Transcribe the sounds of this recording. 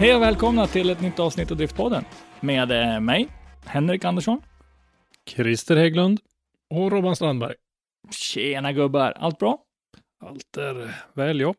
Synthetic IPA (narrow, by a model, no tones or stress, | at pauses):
hɛjɔvɛːlkʰɔmnat̪ʰɪlɛt̪nʏt̪ːɑːvsnɪt̪ːavd̪ɾɪft̪̚pʰɔd̪ːənmeːd̪mɛjhɛnɾɪkand̪əʂɔn | kʰɾɪst̪əɾheɡlɵnd̪ | ɔɾoːbanst̪ɾanbæ̰ɾj | ɕeːnaɡɵbːaɾa̰lt̪̚bɾɑː | a̰lt̪æɾvɛːljɔ